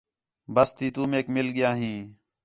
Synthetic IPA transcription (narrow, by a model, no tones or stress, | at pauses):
bəst̪iːt̪uːmeːkmɪlɠɪjaːɦĩː